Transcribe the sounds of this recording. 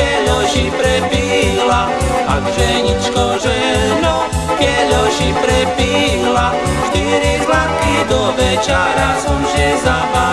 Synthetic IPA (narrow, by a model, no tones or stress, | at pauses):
ɛʎɔʒipɾɛpiːla | akʒɛɲit͡ʃkɔʒɛ | nɔ | kɛʎɔʒipɾɛpiːɦla | ʃt̪iɾizlat̪̚kid̪ɔʋɛt͡ʃaɾasɔmʒɛzapa